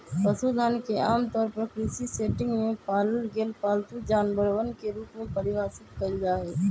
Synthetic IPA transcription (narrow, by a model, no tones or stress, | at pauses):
pəsud̪ʱaːnkeaːmt̪ɔːɾpɐɾkɾisiseːʈɪ̃ŋɡmẽpaːləlɡeːlpaːlt̪ud͡ʒaːnbəɾwənkeɾuːpmẽpɐɾɪʋaːsɪt̪kɐid͡ʒaːɦɛː